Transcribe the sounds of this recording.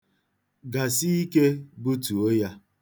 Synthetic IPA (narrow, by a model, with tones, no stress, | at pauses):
ɡa˨si˦i˦ke˦bu˦tu˨o˦ja˦